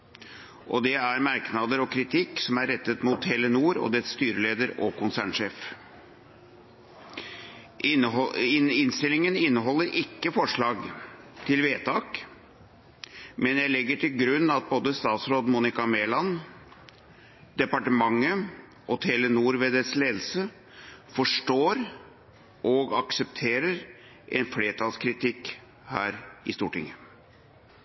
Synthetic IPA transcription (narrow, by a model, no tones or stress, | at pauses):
ʔɔd̪ɛæɾmɑɾknɑd̪əɾɔkʰɾɪt̪ʰɪksɔmæɾːɛt̪ːət̪mʊt̪ʰːɛlənuːɾɔ̰d̪ɛst̪yːɾəleːd̪əɾɔkʊnsæːɳʂeːf | ɪnst̪ɪlɪŋənɪnːəɦɔlːəɾɪkːəfɔʂɭɑːɡ | t̪ʰɪlʋeːt̪ʰɑːk | mɛnjæɪlɛɡːəʈʰɪlɡɾʉnːɑt̪̚boːd̪əst̪ɑːt̪sɾoːd̪muːnɪkɑmeːlɑn | d̪̥ɛpɑʈəmɑŋːə | ʔɔt̪ʰeːlənuːɾʋeːd̪əsleːd̪l̩sə | fɔʂʈoːɾ | ʔɔɡɑksəp̚t̪ʰeːɾəɾ | ʔɛnfleːʈʰɑːlskʰɾɪt̪ʰɪkː | hæ̰ːɾɪst̪uːʈɪ̰ŋːə